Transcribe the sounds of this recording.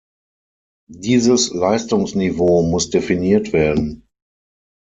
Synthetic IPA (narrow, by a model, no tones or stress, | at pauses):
diːzəslaɪstʊŋsnivoːmʊsd̥efiniːɐtv̥eːɐdn̩